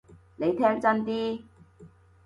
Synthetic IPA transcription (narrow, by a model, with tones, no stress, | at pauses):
ne˨˧jt̪ʰɛː˥ŋt͡sɐ˥nt̪iː˥